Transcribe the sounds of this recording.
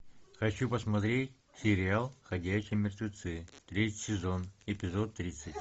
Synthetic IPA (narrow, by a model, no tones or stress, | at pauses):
xɐt͡ɕupəsmɐt̪ɾʲetʲ | sʲɪɾʲɪalˠxɐdʲæɕːɪjmʲɪrt̪vʲɪt̪sɨt̪ɾʲetʲɪjsʲɪzo̞nɪpʲɪzot̪ːɾʲit̪sɨtʲ